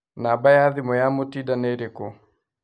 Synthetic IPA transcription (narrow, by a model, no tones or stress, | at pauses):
nabajaðɪmɔjamotidaneɾeko